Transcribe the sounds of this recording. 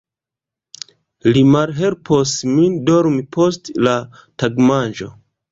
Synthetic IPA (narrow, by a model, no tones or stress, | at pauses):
limalɦe̞lpʰosmindoɾmipʰo̞stla | taɡmand͡ʒo̞